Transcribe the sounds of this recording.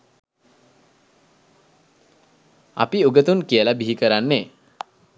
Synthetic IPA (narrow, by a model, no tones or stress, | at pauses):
a̰piuɡət̪unkiəlabiɦikəɾanːe